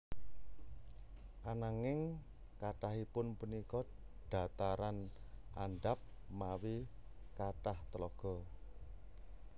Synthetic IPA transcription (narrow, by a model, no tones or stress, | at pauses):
ʔanaŋɪŋ | kaʈaɦipʊnpunikɔ | ɖ̥a̤t̪aɾanʔaɳɖap̚ | mawi | kaʈaht̪əlɔɡ̥ɔ̤